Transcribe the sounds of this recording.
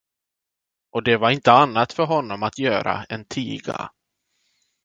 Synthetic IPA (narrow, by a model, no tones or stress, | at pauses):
ɔd̪ɛvaɾɪnt̪əanːat̪fœɾɦɔnːɔmat̪jœːɾa̰ɛnt̪ʰiːɡa̰